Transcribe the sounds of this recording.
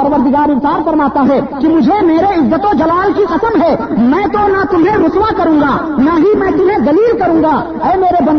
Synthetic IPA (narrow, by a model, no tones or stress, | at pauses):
əɾʋəɾd̪ɪɡaːɾɪ̃nsaːɾfɐɾmaːt̪aɦɛkimʊd͡ʒʱemeːɾeɪzːət̪od͡ʒɐlaːlkiqɐsəmɦɛːmɛ̃ːt̪onat̪ʊmẽɾʊswakɐɾũːɡaːnaɦimɛ̃ːt̪ʊmɦẽd̪ɐliːlkəɾũ̆ːɡa | ɛːmeːɾebɐ̃n